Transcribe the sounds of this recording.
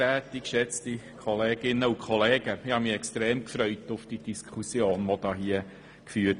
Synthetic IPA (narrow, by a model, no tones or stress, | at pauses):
æːtːikʃɛt͡stikʰχɔleːɡ̥ɪnːəukʰχɔleːɡ̥əɪhɑmiɛkstɾeːmkfɾœʏtʊfd̥id̥iskʰχusjoːnʋɔd̥ɑːɦiə | kfyːt